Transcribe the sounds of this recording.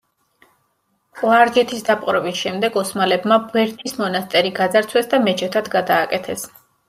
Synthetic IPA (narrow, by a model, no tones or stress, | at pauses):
waɾd͡ʒɛt̪ʰisd̪apʼqʼɾɔbisʃɛmd̪ɛɡɔsmalɛbmabwɛɾt̪ʰismɔnast̪ʼɛɾiɡad̪zaɾt̪sʰwɛsd̪amɛt͡ʃʰɛt̪ʰad̪ɡad̪aːkʼɛt̪ʰɛs